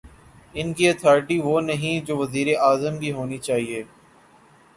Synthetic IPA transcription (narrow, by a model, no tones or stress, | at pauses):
ɪnkiɐt̪ʰɔːɾɪʈiʋoːnɐɦĩd͡ʒoːʋɐziːɾeʔaːzəmkiɦoːnit͡ʃaːɦieː